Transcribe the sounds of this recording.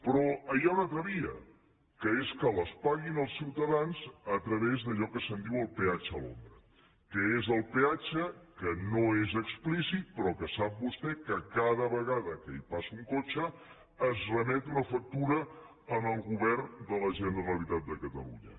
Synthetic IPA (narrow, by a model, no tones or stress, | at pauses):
pɾɔəjaunat̪ɾəβiə̰ | kəeskələspaɣinəlˠsiwt̪əðanzət̪ɾəβezðəʎɔkəsənd̪iwəlˠpeat͡ʃəːlo̰md̪ɾə | kəezəlˠpeat͡ʃəkənoezəksplisit̪̚pɾɔkəsap̚bust̪ɛkəkaðəβəɣaðəkəipasuŋkot͡ʃəː | zrəmɛt̪unəfək̚t̪uɾə | əməlˠɣuβɛrnd̪ələʒənəɾəlit̪at̪̚d̪əkət̪ə̰lṵɲə̰